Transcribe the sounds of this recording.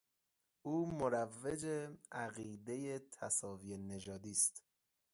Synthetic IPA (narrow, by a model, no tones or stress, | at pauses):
ʔuːmoɾævːed͡ʒeæɣiːd̪e̞jet̪ʰæsɒːviːjene̞d͡ʒɒːd̪iːst̪